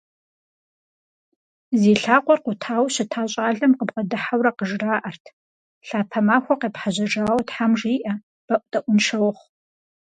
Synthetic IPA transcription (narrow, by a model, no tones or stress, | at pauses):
zeːɬaːqʷɔrqʷʊtʰaːwɕɪtʰaːɕʼaːɮɐmqəbʁɐdɨħawɾɐqəʒraːʔɐrtʰ | ɬaːpʰɐmaːxʷɔqeːpħaʑɐʐaːwtħamʐiːʔɐ | b̥ɐʔʷʊtʼɐʔʷʊnʂɐwχʷ